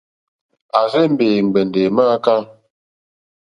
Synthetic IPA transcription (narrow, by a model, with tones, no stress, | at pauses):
a˨ze˦m̩˦beː˨ŋ͡m̩˨ɡ͡bɛ˨n˨de˨ma˦ka˦ŋ